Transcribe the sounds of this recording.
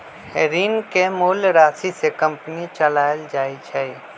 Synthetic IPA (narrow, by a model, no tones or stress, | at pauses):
hɛːɾiːnkemʊːlɾaːsisekɐ̃mpnit͡ʃəlaːld͡ʒaːit͡ʃʰai